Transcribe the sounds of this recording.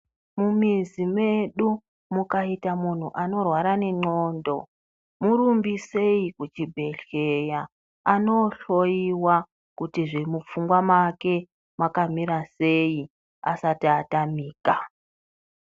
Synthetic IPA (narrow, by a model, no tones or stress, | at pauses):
mumizime̞ɗu | mukaitamun̤uʔano̞rwaɾane̞ŋ͡ǃoːndo̞ | muɾumbise̞ikut͡ʃibʱe̞ɬe̞ja | ano̞ɬo̞jiwa | kutiʐemup͡fuŋɡwamake̞ | makamiɾasei | a̰satatamiːka